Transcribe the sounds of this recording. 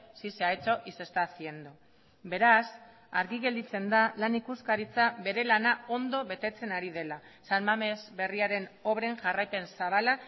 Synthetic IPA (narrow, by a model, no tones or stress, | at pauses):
siseajt͡so̞ʔise̞st̪asie̞nd̪o | be̞ɾas | aɾɣiɣe̞ld̪it͡se̞nd̪alanikuskaɾit͡saβe̞ɾe̞lanao̞nd̪o̞βe̞t̪e̞t͡se̞naɾið̞e̞la | salmame̞zbe̞riaɾe̞no̞βɾe̞ŋʝarajpe̞nsaβala